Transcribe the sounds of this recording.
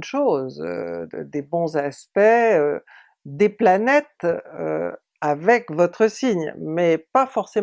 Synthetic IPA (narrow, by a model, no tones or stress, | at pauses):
ʃozø̰d̪ebɔ̃zaspɛø | d̪eplanɛt̪ø̰ | avɛkvɔt̪χəsiɲmɛpafɔʁse